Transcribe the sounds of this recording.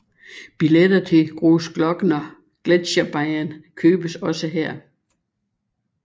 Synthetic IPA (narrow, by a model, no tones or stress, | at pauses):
b̥iled̥ɐt͡sʰe̝ɡ̥ʁoːsɡ̥lɒ̽ɡ̥ənɒ̽ | ɡ̥led̥ɕɐb̥ɑɪænkʰøːb̥əsɒ̽səɦeɐ̰